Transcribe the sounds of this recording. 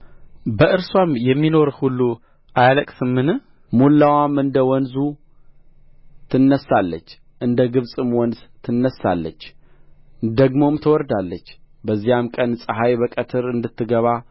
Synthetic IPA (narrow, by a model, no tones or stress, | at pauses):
bəʔɨɾswamjɛmːino̞ɾhulːu | ʔajaləkʼsɨmːɨnɨ | mulːawamɨnd̪əwɔnzu | t̪ʰɨnːəsːalːət͡ʃː | ʔɨnd̪əɡɨβsʼɨmwɔnzt̪ʰɨnːəsːa̰lːə̰t͡ʃː | d̪əɡmo̞mt̪ʰəwɔɾd̪alːət͡ʃː | bəzːijamkʼənsʼɨɦajbəkʼət̪ʰɨɾɨnd̪ɨt̪ʰːɨɡəβa